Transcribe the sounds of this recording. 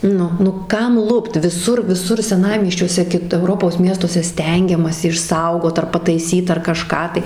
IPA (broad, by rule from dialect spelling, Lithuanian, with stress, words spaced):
ˈnʊ nʊ ˈkɐm ˈlˠʊpt ʋʲɪˈsʊr ʋʲɪˈsʊr sʲɛˈnɑːmʲiɛsʲt͡ʃʲuɔsʲɛ ˈkʲɪt ɛʊˈroːpoːs ˈmʲiɛstuɔsʲɛ ˈsʲtʲɛŋʲɡʲɛmɐsʲɪ ɪʃˈsɐʊɡoːt ɐr pɐtɐɪˈsʲiːt ɐr kɐˈʃkɑː tɐɪ